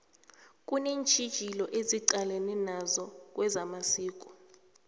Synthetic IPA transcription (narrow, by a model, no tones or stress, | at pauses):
kʼuneːnt͡ʃʰʼid̥ʒ̥ʱilɔʔeziǃalɛnɛnazɔk̬ʼwɛzamasiːkʼɔ̥